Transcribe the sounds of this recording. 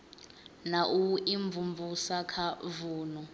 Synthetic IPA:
naʔuiɱbvumvusakʰavuːnɔ

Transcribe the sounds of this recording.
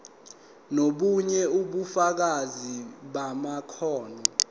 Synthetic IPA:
noɓuɲɛuɓufak̬aziɓamakʰɔːnɔ

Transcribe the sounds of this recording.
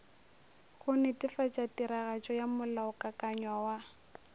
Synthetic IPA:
ɣʊnɛtʼɪfat͡ʃʼatʼiɾaɣat͡ʃʼɔjamʊlaʊkʼakʼaɲwawa

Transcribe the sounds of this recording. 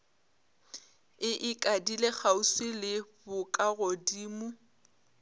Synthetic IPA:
ɪʔɪkʼadilek͡xausɪlɪbʊkʼaɣodiːmʊ

